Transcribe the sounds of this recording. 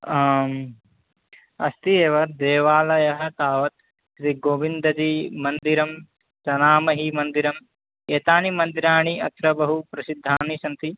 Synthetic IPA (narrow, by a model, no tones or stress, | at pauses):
ɐ̰st̪ieːʋɐd̪eːʋaːlɐjɐɦɐt̪aːʋɐt̪̚ | ʃɾiɡoːʋind̪ɐd̪imɐnd̪iɾɐm | sɐnaːmɐɦimɐnd̪iɾɐm | eːt̪aːnimɐnd̪iɾaːɳiɐt̪ɾɐbɐɦupɾɐsid̪ʱːaːnisɐnt̪i